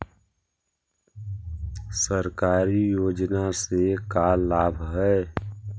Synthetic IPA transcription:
səɾkaːɾijoːd͡ʒnasekalaːbʱɦɛː

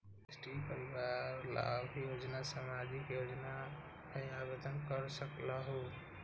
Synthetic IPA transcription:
esʈipəɾiʋaɾla̰bʱjod͡ʒnasamad͡ʒikjod͡ʒna | pəjabed̪ənkəɾsəkləɦu

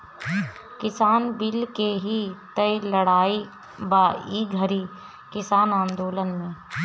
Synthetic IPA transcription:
kɪsaːnbɪlkeɦit̪əiləɽaːi | baːiɡʱəɾi | kɪsaːnãːnd̪oːlənmẽː

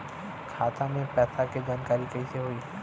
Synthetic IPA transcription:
kʰaːt̪ãmẽpɛːsaked͡ʒaːnkaːɾikɐiseɦoiː

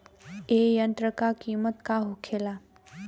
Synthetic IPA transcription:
ejə̃nt̪ɾəkakiːmət̪kaɦukʰela

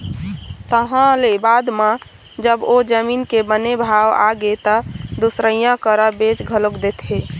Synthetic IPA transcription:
t̪əɦãlebad̪mẽ | d͡ʒəbod͡ʒəminkebənebʱawa̰ɡet̪əd̪usɾəjãkəɾəbet͡ʃɡʱəlokd̪et̪ʰɦe

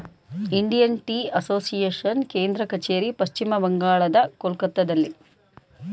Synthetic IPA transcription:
iɳɖijɐnʈiːɐsoːsijeːʂɐnkeːnd̪ɾɐkɐt͡ʃeːɾipɐʃt͡ʃimɐbɐŋɡaːɭɐd̪ɐkolkɐt̪ːɐd̪ɐlːi

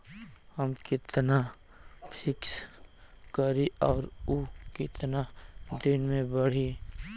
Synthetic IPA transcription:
həmkɪt̪na | pʰɪks | kəɾiɔːɾukɪt̪nad̪ɪnmẽbəɽ̤i

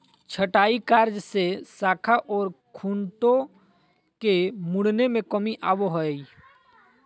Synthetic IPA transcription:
t͡ʃʰəʈaːikaːɾd͡ʒsesaːkʰaʔɔːɾkʰuːnʈõ | kemʊɽnemẽkəmiʔaːwoɦoe

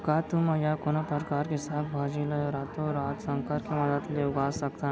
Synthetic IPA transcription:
kat̪umajakonəpəɾkaɾkisab̪bʱad͡ʒiləjoɾat̪oɾaːt̪səŋkəɾkeməd̪ət̪leɡasəkt̪a

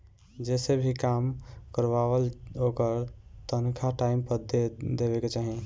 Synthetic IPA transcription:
d͡ʒesebʱikamkəɾbaβəlokəɾt̪ənkʰaʈaimpəd̪ed̪eβeket͡ʃaɦĩ

